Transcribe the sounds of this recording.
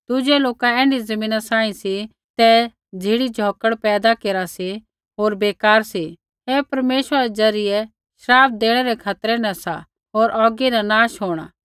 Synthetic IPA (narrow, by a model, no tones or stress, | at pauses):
d̪̥ʊd͡ʒɛloːkaɛ̃ːnizɐmĩːnasãːĩsi | t̪ɛ | d͡zʱiːɽid͡ʒʱɔːkəɽpɛːd̪akeːɾasi | ɦoːɾbeːkaːɾsi | ɦepɐɾmeːʃəaɾɛd͡zɐɾɪjɛ | ʃɐɾaːpʰd̪eːɽ̃ɛɾɛkʰat̪ɾɛnɛ̃sa̰ | ɦoːɾʔɔːɡinãnaːʃɦoːɽ̃a̰ː